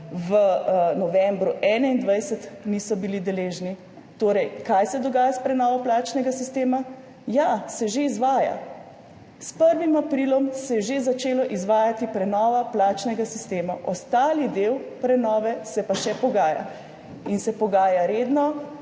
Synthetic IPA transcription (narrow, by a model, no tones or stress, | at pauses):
ʋənɔʋɛmbɾuʔɛːnɛind̪ʋɛjsət̪nisɔbilid̪ɛleːʒni | t̪oːɾɛjkajsɛd̪ɔɡaːjaspɾɛnɔːʋɔplaːt͡ʃnɛɡasist̪eːma | jasɛʒeizʋaːja̰ | spəɾʋimapɾilɔmsɛjɛʒezat͡ʃeːlɔʔizʋaːjat̪ipɾɛnɔːʋaplaːt͡ʃnɛɡasist̪eːmaʔɔst̪aːlid̪ewpɾɛnɔːʋɛsɛpaʃɛpɔɡaːja̰ | insɛpɔɡaːjaɾed̪nɔ